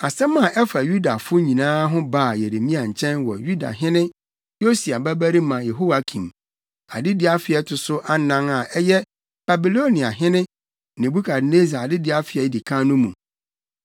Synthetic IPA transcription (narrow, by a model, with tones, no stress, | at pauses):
a˨sɛ̃˦mã˨ʔɛ˦fa˨ju˦da˨fʊ˦ɲĩ˨nãː˦ɦʊ̃˦ba˦˨je˨ɾe˨mĩ˦ã˨ɲ̩˨t͡ɕʰɛ̃˦nwɔ̰˨ju˦da̰˨ɦɪ̃˦nɪ̃˦ | jo˦si˨a˨bæ˦bæ˦ɾi˦mã˨jɛ˨ɦo˦wa˨kʰĩ˨m | a˨dɪ˦dɪ˦a˨fɪ˨ɛ˦tʰʊ˨sʊ˦ʔa˦nã˦ŋa˨ɛ˦jɛ˦ | b̥a˨bi˨lo˦nĩ˨a˨ɦɪ̃˦nɪ̃˦ | nɪ̃˨bu˦kʰa˨dne˦za˨dɪ˦dɪ˦a˦fɪ˨ɛ˨˦di˨kʰã˦nʊ̃˦mũ˨